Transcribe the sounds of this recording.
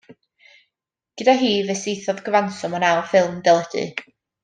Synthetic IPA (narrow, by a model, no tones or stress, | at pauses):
ɡ̥ədaɦiːvɛsejθɔðɡəvansɔmɔnawfɪlˠmdɛlˠɛdɨ̰